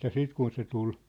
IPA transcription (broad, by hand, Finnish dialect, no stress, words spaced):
jɑ siːt kun se tul